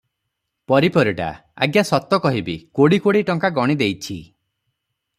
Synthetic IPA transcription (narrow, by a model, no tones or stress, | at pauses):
pɔɾipɔɾiʈa̰ | a̰ɡjasɔt̪ːɔkɔɦibikoɽikoɽiʈɔŋkaɡɔɽ̃id̪ejt͡ʃʰi